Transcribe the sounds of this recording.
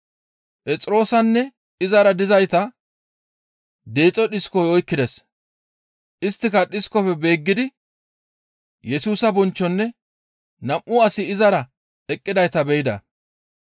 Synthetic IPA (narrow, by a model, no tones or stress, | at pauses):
pʼɛt͡sʼɪɾo̞ːsɐnːɛ | ɪzɐɾɐd̪ɪzɐjt̪ɐ | d̪e̞ːt͡sʼːɔɗɪskɔjɔjkːɪd̪ɛs | ʔɪst̪ːɪkɐɗɪskɔfɛbe̞ːɡːɪd̪ɪ | jɛsuːsɐbɔnt͡ʃːɔnːɛ | nɐmʔʊɐsɪɪzɐɾɐ | ɛkʼːɪd̪ɐjt̪ɐbɛjɪd̪ɐ̰